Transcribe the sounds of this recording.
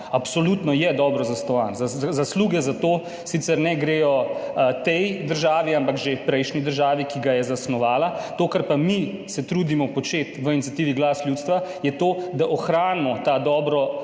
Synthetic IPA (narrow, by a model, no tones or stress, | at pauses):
apsɔlut̪nɔjɛd̪ɔːbɾɔzasnɔʋa̰nzzasluxjɛzat̪oː | sit̪sɛɾnɛɡɾeːjɔt̪ɛjd̪əɾʒaːʋiampakʒepɾɛjʃnid̪əɾʒaːʋikiɡajɛzasnɔʋaːlat̪oːkaɾpamisɛt̪ɾuːd̪imɔpɔt͡ʃeːt̪ʋəinit̪sʲat̪iːʋiɡlaːsljuːt̪st̪ʋajɛt̪oːd̪aʔɔxɾaːnmɔt̪ad̪ɔːbɾɔ